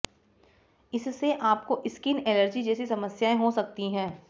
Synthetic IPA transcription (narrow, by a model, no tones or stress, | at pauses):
ɪsːeʔaːp̚koʔɪskinɛːnəɾd͡ʒid͡ʒɛːsisɐməsjaẽɦosɐk̚t̪iɦɛ̃ː